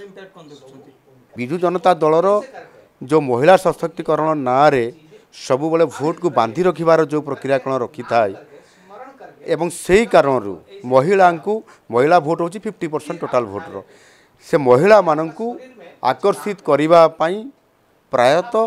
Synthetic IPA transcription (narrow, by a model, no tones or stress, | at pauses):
bidʱud͡ʒɔnɔt̪ad̪ɔɭɔɾɔ | d͡ʒemɔɦiɭasɔ̃st̪ʰɔk̚t̪ikɔɾɔɽ̃ɔnaɾe | sɔbubɔɭebʱoʈkuband̪ʱiɾɔkʰibaɾɔd͡ʒeupɾɔkɾijakɔɽ̃ɔɾɔkʰit̪ʰae | ebɔŋseikaɾɔɽ̃ɔɾṵmɔɦiɭaŋku | mɔɦiɭabʱoʈɔɦut͡ʃʰipʰip̚ʰʈipɔɾseɳʈːoʈalbʱoʈɔɾɔ̰ | semɔɦiɭamanɔŋkua̰kɔɾsit̪ɔ̥kɔɾibapaĩ | pɾajɔt̪ɔ